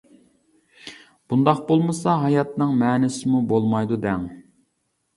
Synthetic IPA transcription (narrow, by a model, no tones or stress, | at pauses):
b̥und̪ɑqbolˠmɨsɑɦɑjɑt̪nɨŋmɛːnɪsɪmubolˠmɑjd̪ud̪ɛŋ